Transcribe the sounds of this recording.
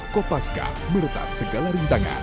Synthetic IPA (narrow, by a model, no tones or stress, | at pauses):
kopaska̰ | məɾut̪a̰səɡalaɾunt̪aŋa̰n